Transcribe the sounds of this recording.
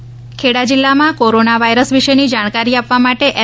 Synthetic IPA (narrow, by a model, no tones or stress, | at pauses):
kʰeɽad͡ʒilːamãkoɾonaʋajɾəsʋiʃenid͡ʒaɽ̃kaɾiapʋamaʈeʔɛ